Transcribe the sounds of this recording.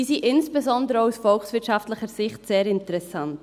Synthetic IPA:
iːsiʔɪnsb̥ezɔndəɾəousfɔlxsvɪɾtʃaftləχəɾsɪχtseːɾɪntəɾɛsant

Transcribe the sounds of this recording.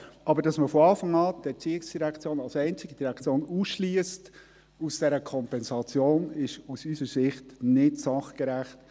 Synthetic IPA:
ɑbəɾdɑsməfɔɑːfɑŋɑːdɛɾt͡siɪksd̥iɾækt͡sjoːnɑlsɛɪnt͡sɪɡəd̥iɾækʰt͡sjoːnuːsʃliəst | usd̥ɛɾəkʰɔmpɛnsɑt͡sjoːnɪʃusysəɾsɪχtnɪtsɑχkɛɾæχt

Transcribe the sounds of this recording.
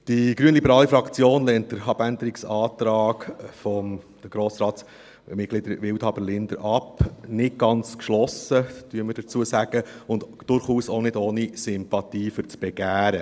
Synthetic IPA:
d̥iɡ̥ɾyənlibəɾɑːlifɾɑkt͡sjoːnlɛːnt̚d̥əɾɑbænd̪əɾiksɑːt̪ɾɑːkfɔm | d̥əɡɾoːsɾɑː | mɪt̚ɡ̥lid̥̪əɾʋɪwthɑbəɾlɪnd̥̪ə̰ɾʔɑpnɪt̚ɡ̥ɑnt͡skʃlɔsətyəməɾd̥ət͡suəsæɡ̥əʊnd | d̥ʊɾχuːsonɪdoːnisʏmpɑt̪iːfʏɾt͡sb̥ɛɡ̥æːɾə

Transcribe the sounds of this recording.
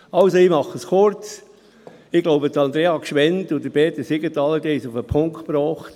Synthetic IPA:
ɑlsoɪmɑχəskʊɾt͡s | ɪɡ̥loʊbət̪ɑnd̪ɾeːɑkʃʋɛnt̪ʊd̥əb̥eːt̪əsɪɡət̪ɑlədiːsʊfəpʰʊŋktpɾɔːχt̪

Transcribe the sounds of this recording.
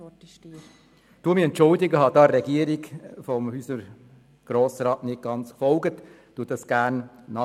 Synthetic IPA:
d̥uːəmiːɛntt͡ʃʊldɪɡəhɑd̥ɑːɾɛɡiəɾɪɡfɔmhyːsəɾ | ɡ̥ɾɔːsɾɑːtnɪt̚ɡ̥ɑnt͡sfɔlɡət | tuːət̚ɑsɡ̥æːnnɑ

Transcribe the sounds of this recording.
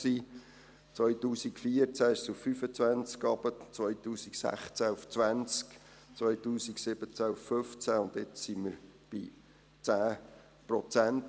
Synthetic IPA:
siː | t͡svœjtuːsikfiəɾt͡sæɪʃsufːyfət͡svænt͡skɑbət͡svœʏtuːsiksæ̰χt͡sæuft͡svænt͡sk | t͡svœjtuːsiksɪb̥ət͡sæufːøft͡sæʊnt̪ɪt͡ssiməɾb̥i | t͡sæː | prɔt͡sænt

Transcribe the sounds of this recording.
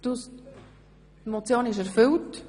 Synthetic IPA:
tus | tmɔt͡sjoːnɪʃ̬æɾfʏlt

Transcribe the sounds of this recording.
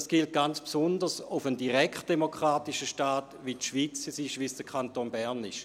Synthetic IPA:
sɡ̥ilt̚ɡ̥ant͡spsʊndəsufəndiʁɛkt̚d̥emokʁ̥aːtiʃəʃtaːtʋitʃʋiːt͡sisiʃʋisd̥əkʰantoːnbɛʁnɪʃ

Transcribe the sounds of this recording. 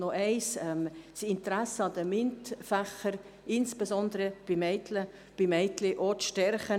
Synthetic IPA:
noʔɛɪsɛmsɪntəɾæsəɑd̪əmɪntfæχəɾ | ɪnsb̥esɔnd̪əɾəb̥imɛɪt̪lə | b̥imɛɪt̪leʔot͡sʃtɛrχə

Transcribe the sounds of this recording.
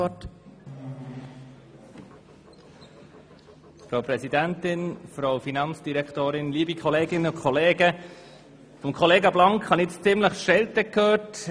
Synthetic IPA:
ɔt | fɾawpɾɛsidæntɪnfɾowfinɑnt͡sd̥iɾɛktoːɾɪnliːbikχɔleːɡɪnəʊkʰχɔleːɡə | fɔmkʰɔleːɡɑblɑŋkhɑnɪt͡st͡sɪmləχʃɛltəkʰːøːt

